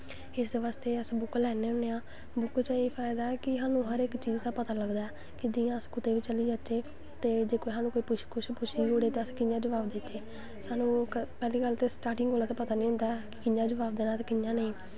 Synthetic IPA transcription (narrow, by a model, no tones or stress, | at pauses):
ɪsd̪eːʋaːst̪eːəsbʊklɛːneːʊneːãː | bʊkt͡ʃəeːpʰaːɪd̪aːɛːkɪɦaːnũːɦəɾɪkt͡ʃiːzd̪aːpət̪aːləɡd̪aːɛː | kɪd͡ʒijãːəskʊt̪eːʋiːt͡ʃəliːd͡ʒatʃeː | t̪eːd͡ʒeːkoːiɦaːnũːkoːiːpʊʃkʊʃpʊʃʰiːd͡ʒoːɽeːt̪eəskɪjãːd͡ʒəʋaːbd̪ɪt̪ːeː | saːnũːkpɛːliːɡəlt̪eːsʈaːɾʈɪŋɡoːlaːt̪eːpət̪aːnĩːɦʊ̃nd̪aːɛkɪkɪjãːd͡ʒəbaːbd̪eːnaːt̪eːkɪjãːnəĩː